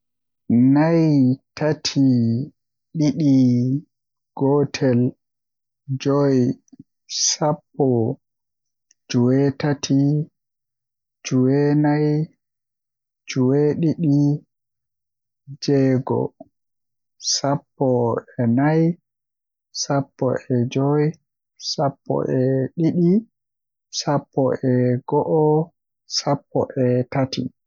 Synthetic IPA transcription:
najtʰatʰi | ɗiɗi | ɡ̥ɔtʰɛl | d͡ʒɔj | sapːɔ | d͡ʒuwɛtatʰi | d͡ʒuwɛnaj | d͡ʒuwɛɗiɗi | d͡ʒɛɡɔ̰ | sapːɔɛnaj | sapːɔ̰ʔɛd͡ʒɔj | sapʰːɔ̰ʔɛɗiɗi | sapʰːɔʔɛɡɔʔɔ | sapːɔʔɛtatḭ

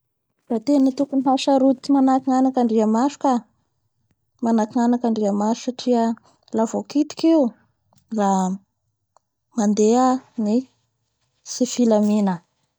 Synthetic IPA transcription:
rat̪enit̪ukuniɦaʃaɾut̪imanakiŋanakaɳɖ͡ʐiamaʃu̥ka | manakiŋanakaɳɖ͡ʐiamaʃu̥saʈ͡ʂiə | lavokit̪i̥keu | ra | mand̪eani | sifilaminə

